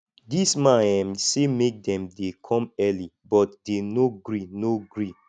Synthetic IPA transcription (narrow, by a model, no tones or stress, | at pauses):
dismããmsemek̚dɛ̃mdekʰɔ̃mɛlibɔtdenoɡɹinoɡɹi